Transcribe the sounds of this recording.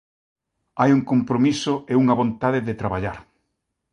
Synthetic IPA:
ajuŋkompɾomisʊeuŋɐβõnt̪aðeðet̪ɾaβ̞aʎaɾ

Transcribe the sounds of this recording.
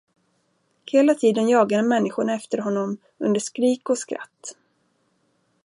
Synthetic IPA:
heːlat̪ʰiːd̪ənjɑːɡaɾəmɛnːɪɧʊɳaɛft̪əɾɦɔnːɔm | ɵnd̪əʂkɾiːkɔskɾa̰t̪ː

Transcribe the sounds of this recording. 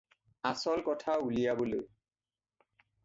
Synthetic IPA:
asɔlkɔtʰaulijaboloj

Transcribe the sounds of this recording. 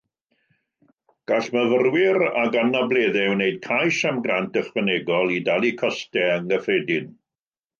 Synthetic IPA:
ɡ̥aɬməvərwɪɾa̰ɡanableːðɛwneɨd̥̚kʰajʃamɡrantəχwəneɡɔlˠidalˠikʰɔstɛəŋəfreːdɪn

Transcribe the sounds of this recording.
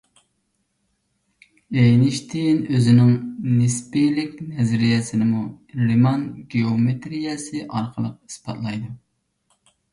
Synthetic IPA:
ejnɪʃt̪ʰɪnøzɪnɪŋnɪspilɪkʲnɛzɾijɛsɪnɪmu | limɑnɡʲeomet̪ɾijɛsɨʔɑɾqʰəlˠəq̚i̥spɑ̰t̪lˠɑjd̪u

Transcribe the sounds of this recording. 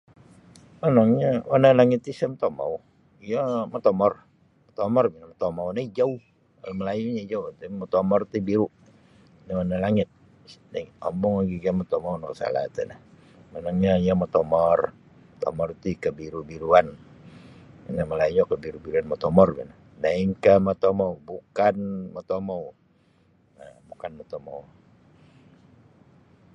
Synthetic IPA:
mənaŋɲawanalaŋɪt̪ːisamt̪oma̰u | ijamot̪omɔr | mɔt̪omɔrbinamɔt̪omaunaid͡ʒau | aməlajuɲad͡ʒaut̪emot̪omɔrt̪ibiɾu | nawanalaŋɪt̪̚ | naiɔ̰mbɔŋaɡiɡamɔt̪omaunokəsa̰la̰t̪ɛ̰na | manaŋɲaijamot̪omɔr | t̪o̰mɔrt̪ikəbiɾubiɾuan | naməlajuɲokəbiɾubiɾuanmot̪omɔrbɛ̰na | daɪŋkəmat̪omowbukanmat̪omow | abukanmot̪omou

